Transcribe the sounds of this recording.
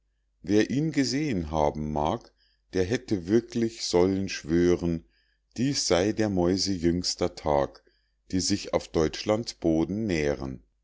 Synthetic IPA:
veːɐʔiːnɡəzeːənɦaːbm̩maːk | d̥eːɐɦɛtəvɪɐklɪçz̥ɔlənʃv̥øːʁən | d̥iːsz̥aɪdeːɐmɔʏzəjʏŋstɐtʰaːk | d̥iːzɪça̰ʊfd̥ɔʏt͡ʃlantsb̥oːdn̩neːʁən

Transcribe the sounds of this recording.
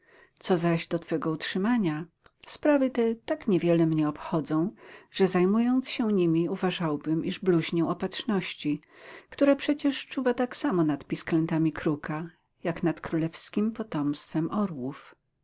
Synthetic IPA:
t̪sɔzaʑd̪ɔt̪fɛɡɔutʂɘmaɲa | spɾavɘt̪ɛt̪akɲɛvʲjɛlɛmɲɛɔpxɔd̪zɔ̃w̃ʐ̥ɛzajmujɔnt̪sɕɛɲimʲiuvaʐawbɘmʔiʐbluʑɲɛ̃ɔpatʂnɔɕt͡ɕi | kt̪uɾapʂɛt͡ɕɛʂt͡ʂuvat̪aksamɔnat̪pʲisklɛnt̪amʲikɾuka | jaknat̪kɾulɛfskʲimpɔt̪ɔmst̪fɛmɔɾwuf

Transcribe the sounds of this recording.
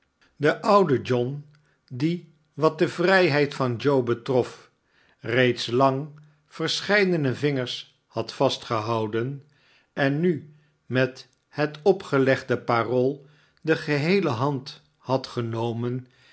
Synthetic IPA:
dəʔʌwdəd͡ʒɔn | di | ʋɑt̚dəvrɛjɦɛjtfɑnd͡ʒowbətrɔf | rejtslɑŋ | v̥əɹsχɛjdənəvɪŋəɹs | hɑtfɑstχəɦɑwdən | ʔɛnːy | mɛt | ɦətɔpχəlɛχdəparolˠ | dəχəɦejləɦɑnt | hɑtχənowmən

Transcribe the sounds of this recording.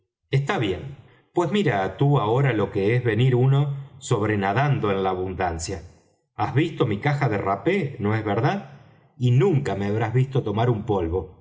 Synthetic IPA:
est̪aβje̞n | pwe̞zmiɾat̪uaoɾalo̞keezβe̞niɾuno̞so̞β̞ɾe̞naðand̪o̞enlaːβund̪ansja | azβist̪o̞mikaxaðerapeno̞ezβeɾðað | inũŋkameaβ̞ɾazβist̪o̞t̪o̞maɾumpo̞lβo̞

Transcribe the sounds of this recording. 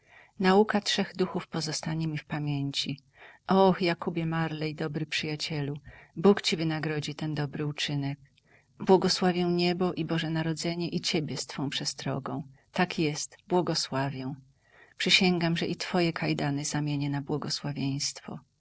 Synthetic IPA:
naukatʂɛɣd̪uxufpɔzɔst̪aɲɛmʲifpamʲjeɲt͡ɕi | ʔɔxjakubʲjɛmaɾlɛjd̪ɔbɾɘpʂɘjat͡ɕɛlubukt͡ɕivɘnaɡɾɔd͡ʑit̪ɛnd̪ɔbɾɘut͡ʂɘnɛk̚ | bwɔɡɔswavʲjɛw̃ɲɛbɔʔibɔʐɛnaɾɔd̪zɛɲɛʔit͡ɕebʲjɛst̪fɔ̃w̃pʂɛst̪ɾɔ̰ɡɔ̃w̃t̪akjɛst̪bwɔɡɔswavʲjɛw̃ | pʂɘɕɛŋɡamʐɛʔit̪fɔjɛkʰajd̪anɛzamʲjeɲɛnabwɔɡɔswavʲjeɲ̃st̪fɔ̰

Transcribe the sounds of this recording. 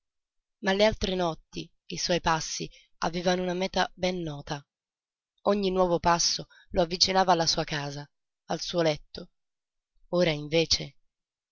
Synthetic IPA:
malːealt̪ɾenɔt̪ːi | iswɔjpasːi | a̰veːvanounamɛːt̪abɛnːɔːt̪a | oɲːinwɔːvopasːo | loavːit͡ʃinaːvaːlːasuːakaːza | alsuolɛt̪ːo | oːɾaiɱveːt͡ʃe

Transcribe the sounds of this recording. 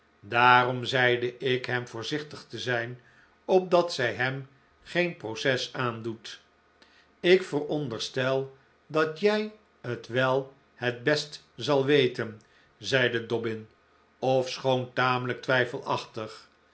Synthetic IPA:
daːrɔmzɛjdəʔɪkɦɛmvʊːɹzɪχtəχtəzɛjn | ɔp̚dɑtsɛjɦɛm | χejnprowsɛsaːndut | ɪkfərɔndəɹstɛlˠ | dɑtjɛj | ətʋɛlˠ | hət̚bɛst | zɑlˠʋejtən | zɛjdədɔbɪn | ɔfsχowntaːmələk̚tʋɛjfəlˠɑχtəχ

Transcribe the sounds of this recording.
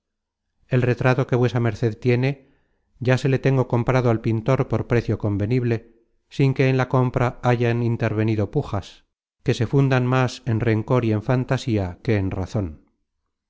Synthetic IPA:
e̞lre̞t̪ɾat̪o̞ke̞βwe̞same̞ɾθe̞ðt̪je̞ne̞ | ɟ͡ʝase̞le̞t̪e̞ŋɡo̞ko̞mpɾaðoalpint̪o̞ɾpo̞ɾpɾe̞θjo̞ko̞mbe̞niβle̞ | siŋke̞ːnlako̞mpɾaaʝanint̪e̞ɾβ̞e̞niðo̞puxas | ke̞se̞fund̪anmase̞nre̞ŋko̞ɾie̞ɱfant̪asiake̞ːnra̰θo̞n

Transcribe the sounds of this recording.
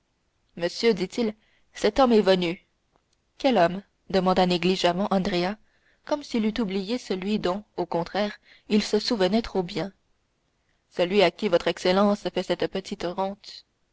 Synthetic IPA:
məsjød̪it̪il | sɛt̪ɔmɛvəny | kʲɛlɔm | d̪əmɑ̃d̪aneɡliʒamɑ̃ʔɑ̃d̪ʁea | kɔmsilyt̪ublijesəlɥid̪ɔ̃okɔ̃t̪χɛːʁ | ilsəsuvənɛt̪χobjɛ̃ | səlɥiakʲivɔt̪χɛkselɑ̃sfɛsɛt̪pət̪ʰit̪ʁɑ̃t̪

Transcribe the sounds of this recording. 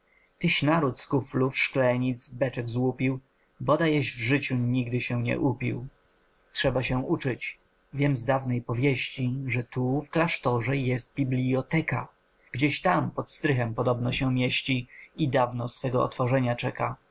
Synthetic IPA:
t̪ɘɕnaɾut̪skuplufʂklɛɲid̪zbɛt͡ʂɛɡzwupʲiw | bɔd̪ajɛʑvʐɘt͡ɕuɲiɡd̪ɘɕɛɲɛ̰ʔupʲḭw | tʂɛbaɕɛ̃ʔut͡ʂɘt͡ɕ | vʲjɛmzd̪avnɛjpɔvʲjeɕt͡ɕiʐɛt̪ufklaʂt̪ɔʐɛjɛst̪̚bʲiblʲijɔt̪ɛka | ɡ̥d͡ʑeɕt̪ampɔt̪st̪ɾɘxɛmpɔd̪ɔbnɔɕɛmʲjeɕt͡ɕiid̪avnɔsfɛɡɔɔ̰t̪fɔʐɛɲat͡ʂɛka

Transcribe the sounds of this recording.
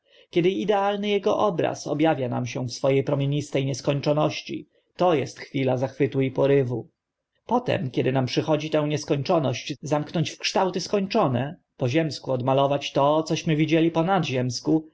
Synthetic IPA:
kʲɛd̪ɘid̪ɛalnɘjɛɡɔ̰ʔɔbɾa̰sɔ̰bjavʲjana̰mɕɛ̃fsfɔjejpɾɔmʲjeɲist̪ɛjɲɛskɔɲt͡ʂɔnɔɕt͡ɕḭ | t̪ɔjɛst̪xfʲilazaxfɘt̪uipɔɾɘvu | pɔt̪ɛ̰mkʲɛd̪ɘnampʂɘxɔd͡ʑit̪ɛ̃w̃ɲɛskɔɲt͡ʂɔnɔɕt͡ɕzamknɔɲt͡ɕfkʂt̪awt̪ɘskɔɲt͡ʂɔnɛ | pɔʑɛmskuɔd̪malɔvat͡ɕt̪ɔt̪sɔɕmɘvʲid͡ʑelʲipɔnad̪ʑɛmsku

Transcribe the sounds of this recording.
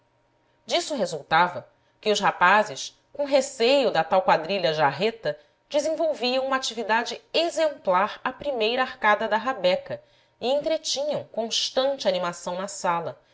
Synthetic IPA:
d͡ʒisʊɦezuwt̪avɐ | kɪʊʃhapazɪʃ | kõɦesejʊd̪ɐt̪awkwad̪ɾiʎɐʒaɦet̪ɐ | d͡ʒɪzẽvowviɐ̃w̃ũmɐat͡ʃivid̪ad͡ʒɪezẽmplaɾɐpɾimejɾɐaɾkad̪ɐd̪ɐɦabɛkɐ | ɪẽnt̪ɾet͡ʃĩɲɐ̃w̃kõʃt̪ɐ̃nt͡ʃɪanimasɐ̃w̃nɐsalɐ

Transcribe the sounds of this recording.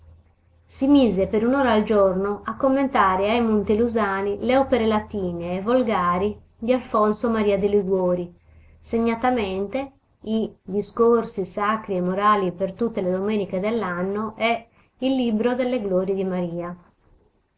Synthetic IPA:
simiːzepeɾunɔːɾaːld͡ʒɔrnoʔakːomːent̪aːɾeajmont̪eluzaːnileɔːpeɾelat̪iːneːvolɡaːɾi | d̪ialfɔnsomaɾiːad̪iliɡwoːɾi | seɲːat̪amɛnt̪e | id̪iskorsisakɾiɛmːoɾaːlipert̪ut̪ːeled̪omeːniked̪ɛlːanːoʔɛ | ilːibɾod̪ɛlːeɡloːɾid̪imaɾiːa

